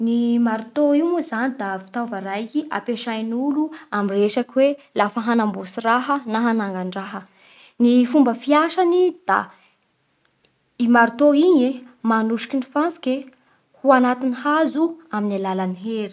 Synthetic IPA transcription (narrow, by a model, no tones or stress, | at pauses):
nimaɾut̪oiumuzanid̪avi̥t̪awvaɾajkia̰peʃajnuluamireʃakiwelafəɦanambosiɾaɦənaɦanaŋɡaɳɖ͡ʐaɦə | nifumbəfiaʃanid̪̥a̰ | imaɾut̪oiɲemanuʂi̥kʲinifant͡si̥kʲe | huanat̪inihazuaminalalaniɦeɾi̥